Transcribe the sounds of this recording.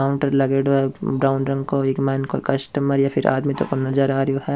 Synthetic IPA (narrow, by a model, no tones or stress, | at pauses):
aʊ̃ɳʈəɾlɐɡeːɽoɛbɾaːʊnɖɾɐ̃ŋɡkoekmɛːnkokɐsʈəməɾjafɪɾʔa̰ːd̪mit̪o̰konɐzəɾaːɾjoɦɛ